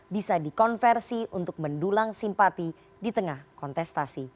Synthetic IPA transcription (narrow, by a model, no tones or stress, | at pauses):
bisadikɔnfɛrsiunt̪ʊk̚məndulaŋsimpat̪i | dit̪əŋahkɔnt̪ɛst̪asi